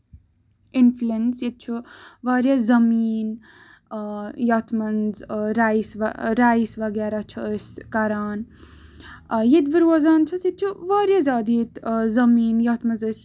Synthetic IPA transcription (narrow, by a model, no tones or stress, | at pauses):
ɪnflensjet̪̚t͡ʃʰuʋaːɾjazɐmiːn | jɐt̪ʰmɐnzɾaːsʋɐ̰ɾaːjisʋɐɡaːɾat͡ʃʰuəsʲkɐɾaːn | jet̪bəɾwɐzaːnt͡ʃʰɐsjet̪̚t͡ʃʰuʋaːɾjazʲaːd̪it̪zɐmiːnjɐt̪ʰmɐnzəsʲ